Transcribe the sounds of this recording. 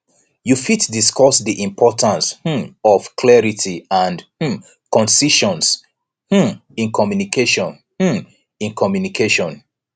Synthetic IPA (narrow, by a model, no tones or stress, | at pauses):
jufitdiskʰɔsðiʔĩmpʰɔtʰãnsh̩ɔv̥kʰlɛɹitʰiãndh̩ | kɔ̃nsiʃɔ̃ns | h̩ĩnkʰɔmjunikeʃɔ̃n | h̩ | ĩnkʰɔmjunikʰeʃɔ̃n